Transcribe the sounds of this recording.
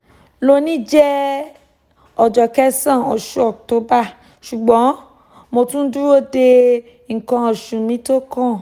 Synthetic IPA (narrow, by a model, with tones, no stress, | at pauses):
lo˦nĩ˦d͡ʒɛ˦ | ɔ˨d͡ʒɔ˨kɛ˦sã˦˨ɔ˨ʃu˦ɔ˨k̚to˨˦ba˦˨ | ʃu˨ɡ͡bɔ̃˨˦ | mo˧tũ˦n̩˦du˦ɾo˦˨de˧ | ŋ̩˨kã˧ɔ˨ʃũ˨mĩ˨˦to˦kã˦˨